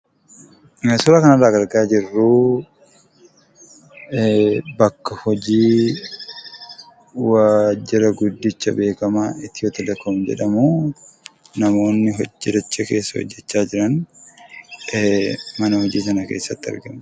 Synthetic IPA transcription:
ŋɐsʊlaːkɐnɐraːɡɐɾɡaːd͡ʒɪrːu | bɐkːɐhɔd͡ʒiː | waːd͡ʒːɪɾɐɡʊd̪ːɪt͡ʃːɐbe̞ːkɐmaːɪt̪ːɪjot̪ɐd̪ɐkːɐmd͡ʒɛ̰ᶑɐmuː | nɐmo̞ːnːɪɦɔd͡ʒːɛd̪ɐt͡ʃːɐke̞ːsːɐhɔ̰d͡ʒːɛt͡ʃːaːd͡ʒɪɾɐn | mɐnɐhɔd͡ʒiːs̬ɐnɐke̞̰ːsːɐt̪ːɪɐ̰ɾɡɐm

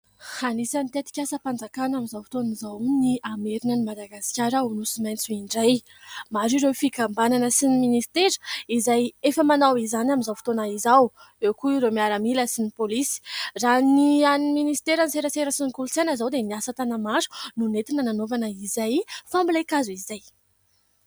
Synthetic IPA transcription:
hanisanit̪et̪i̥kʲasəpand͡zakanamizawfi̥t̪onizawniameɾinənimad̪aɡasi̥kʲaɾaunusimajnt͡suiɳɖ͡ʐaj | maɾiɾewfikambananəsiniminist̪eɾizajefəmanawizanaminzawfi̥t̪onaizawewkuɾewmiaɾamiləsinipolisi̥ranianminist̪eɾaniseɾəseɾəsinikulut͡sanəzawd̪eniasət̪anamaɾu̥nunet̪inənanovanəizajfambilekazuizaj

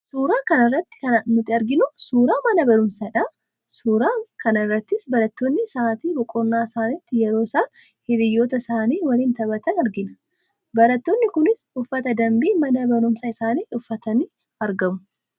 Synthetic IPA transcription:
suːɾaːkɐnɐrːɐt̪ːɪ̥kɐnɐnʊt̪ːɪɐɾɡɪnʊsuːɾaːmɐnɐbɐɾʊmsɐᶑɐ | suːɾaːkɐnɐɪrːɐt̪ːɪsbɐɾɐt̪ːoːnːɪsaːt̪iːbɔkʼɔnːaːsaːnɪt̪ːɪjɛɾo̞ːɪsaːn | hɪd̪ɪjːoːt̪ɐsaːniːwɐliːnt̪ɐbɐt̪ɐnɐɾɡɪnɐ̥ | bɐɾɐt̪ːoːnːɪkʊnɪsʊfːɐt̪ɐd̪ɐmbiːmɐnɐbɐɾʊmsɐɪsaːniːʔʊfːɐt̪ɐniː | ɐɾɡɐmʊ

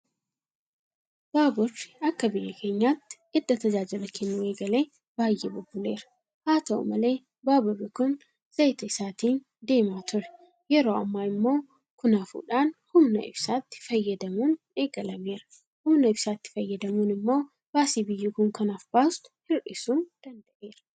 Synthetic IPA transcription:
b̥aːbʊrːɪ̥ɐkːɐbɪjːɐkʰe̞ːɲːaːt̪ːɪ̥ | ɪd̪ːɐt̪ɐd͡ʒaːd͡ʒɪlɐkɛnːʊe̞ːɡɐle̞ː | baːjːeːbʊbːʊle̞ːɾɐ̥ | haːt̪ɐʊ̰mɐle̞ː | baːbʊrːɪkʊn | z̥ɐjt̪ɐɪsaːt̪iːn | d̪e̞ːmaːt̪ʊɾɛ̥ | jɛɾo̞ːɐ̰mːaːɪmːo̞ː | kʊnɐfṵːᶑaːnhʊmnɐ̰ɪ̰bsaːt̪ːɪ̥fɐjːɐd̪ɐmuːn | e̞ːɡɐlɐme̞ːɾɐ̥ | hʊmnɐɪbsaːt̪ːɪ̥fɐjːɐd̪ɐmuːnɪmːo̞ː | b̥aːsiːbɪjːuːkʊŋkɐnɐfb̥aːst̪ʊ̥hɪɾʔɪsuːnd̪̥ɐnd̪ɐʔe̞ːɾɐ̥

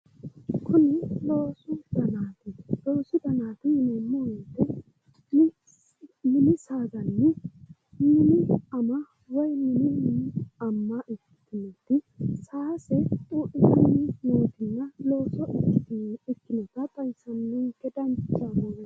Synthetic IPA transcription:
kʰʊnɪlo̞ːsʊd̪̥ɐnaːt̪ɪlo̞ːsʊd̪ɐnaːt̪ɪɪnɛmːɔwɛt̪ːɛ | ɪ | mɪnɪsaːɡɐnːɛ | mɪnɪɐmɐ | wɔjmɪnɪnɐmːɐʔɪkːɪ̥t̪ːɪnɛt̪ːɪsaːsɛt̪ʼuːʔɪtnnoːt̪ɪnːɐlo̞ːsɔʔɪkːɪt̪ɪɪkːɪnɛt̪ːɐt̪ʼɐjsɐnːɛɡɛd̪ɐnt͡ʃːɐboːɡɛ

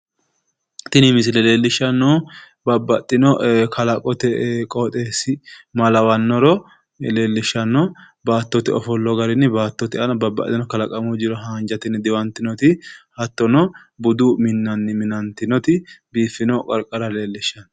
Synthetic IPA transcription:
t̪ɪnɪmɪsɪlɛle̞ːlːɪʃːɐnːɔː | bɐbːɐt̪ʼːɪnɔkʰɐlɐkʼɔt̪ɛkʼɔt̪ʼeːsɪmɐlɐwɐnːɔɾɔ | le̞ːlːɪʃːɐnːɔ | baːt̪ːɔt̪ɛɔfɔlːɔɡɐɾɪnːɪbaːt̪ːɔt̪ɪɐnɐbɐbɐ̰t̪ʼːɪnɔkɐlɐkʼɐmʊd͡ʒɪɾɔɦaːnd͡ʒɐt̪ɪnːɪd̪ɪwɐnt̪ːɪnɔt̪ɪhɐt̪ːɔnɔ | bʊd̪umɪnːɐnːɪmɪnɐnt̪ɪnɔt̪ɪbiːfːɪnɔkʼɐɾkʼːɐɾɐle̞ːlːɪʃːɐn

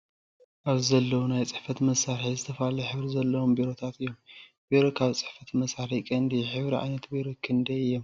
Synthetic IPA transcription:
ʔaβzzɐlːɐwunajt͡sʼɨħfɐt̪mɐsaɾħizɨt̪ʰɐfalɐħɨβɾizɐlːɐwombiɾo̞t̪ʰat̪ɨjːom | b̥iɾo̞kʰaβt͡sʼɨħfɐt̪mɐsaɾikʼɐnd̪iħɨβɾiʕa̰jnɐt̪biɾo̞kʰɨnd̪ɐjɨjːom

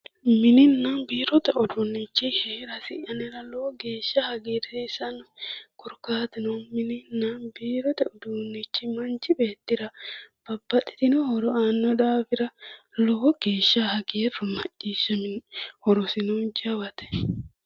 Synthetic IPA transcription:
mɪnɪnːanbiːɾɔt̪ɛɔd̪unːɪt͡ʃːɪheːɾɐsɪʔɐnɪɾɐloːɡe̞ːʃːɐhɐɡeːɾɛsɐnkʊɾkaːt̪ɪnɔmɪnɪnːanbiːɾɔt̪ɛʊd̪uːnːɪt͡ʃːɪmɐnt͡ʃɪbe̞ːt̪ːɪɾɐb̥ɐbːɐᶑɪ̥t̪ɪnɔhɔɾɔaːnːɔᶑ̪aːfɪɾɐloːɡ̥eːʃːahɐɡeːrɔmɐt͡ʃʼːiːsːɐmɪhɔɾɔsɪnuːnd͡ʒɐwɐt̪ɛ̥

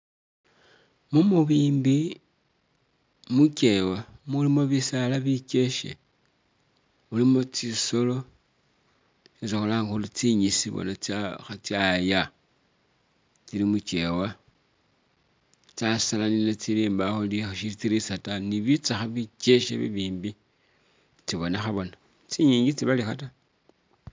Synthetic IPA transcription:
mumuβiːmbi | muce̞wamulimo̞βisalaβice̞ʃḛ | ulimo̞t͡siso̞lo̞ | sit͡sixolaŋɡulit͡siɲisiβo̰nat͡saxat͡sjaja | t͡silimut͡ʃewa | t͡sasalaninet͡siliːmbaxulixʃit͡siɾisataniβit͡saxaβice̞ʃḛβḭβiːmbi | t͡siβo̞nexaβo̞na | t͡siɲiːɲɡit͡siβalixa̰ta

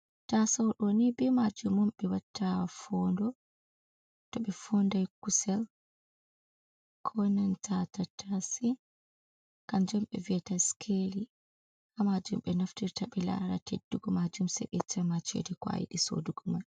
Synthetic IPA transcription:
tasawɗɔnibɛmad͡ʒumɔmɓɛwatʰːafɔndɔ | tɔɓɛfɔndajkusɛl | kʰɔnantʰatatʰasi | kand͡ʒɔmɓɛ̰viɛtaskʰeli | kamad͡ʒumɓɛnaftiɾtaɓɛla̰ɾa̰tedːuɡɔmad͡ʒumsɛ̰ɗɛtʰɛmat͡ʃɛ̰dɛkwa̰jḭɗiso̰duɡɔman

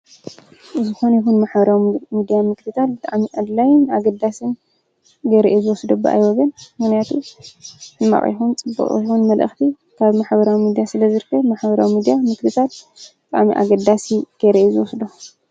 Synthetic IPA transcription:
ɨzɨxo̞nɐjixunmaħɐɾawmid̪ijamɨklɨt̪ʰat̪̚bɨt̪ʼaʕmiʔad̪lajɪnaɡɐd̪asɨn | ɡɐɾḭʔezɨwɔsd̪obːʔa̰jwɔɡɐnmɨxnijat̪ʰu | ɨmːa̰χʼḭxunt͡sʼɨbːɐ̰χʼixunmɐlʔɨ̰xt̪ʰi | kʰaβmaħbɐɾawimid̪ijasɨlɐzɨɾkʰːɐmaħbɐɾawimid̪ijamɨklɨt̪ʰat̪̚ | bɨt̪ʼa̰ʕmiʔa̰ɡɐd̪asiɡ̥ɐɾiʔezɨwɔsd̪o

